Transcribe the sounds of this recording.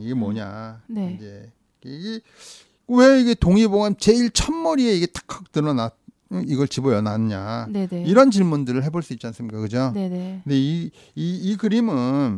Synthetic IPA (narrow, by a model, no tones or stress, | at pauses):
iɡe̞mwʌɲa̰neind͡ʑe̞ | keiɡe | kweiɡe̞toŋibomjʌnt͡ɕe̞iɭt͡ɕʰʌnmʌɾie̞iɡe̞t͈ḁkʰak̚tɯɾʌna | iɡʌɭt͡ɕibʌjʌnanɯɲa̰neeiɾʌnt͡ɕiɭmundɯɾɯɭhe̞boɭs͈uit̚t͡ɕ͈ians͈ɯmɲik͈akɯd͡ʑonenekɯndei | iːkɯɾimɯn